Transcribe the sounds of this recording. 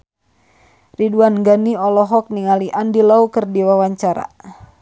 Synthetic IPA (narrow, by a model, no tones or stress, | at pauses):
riduanɡaniɔlɔɦɔk̚niŋaliʔandilaukərdiwawaɲt͡ʃaɾa̰